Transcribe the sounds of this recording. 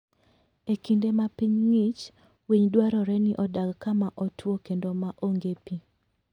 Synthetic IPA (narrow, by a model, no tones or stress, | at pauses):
ekindemapiɲŋit͡ʃ | wiɲdwaɾɔɾɛniʔɔdaɡkamaʔɔtwokendomaʔoŋɡepi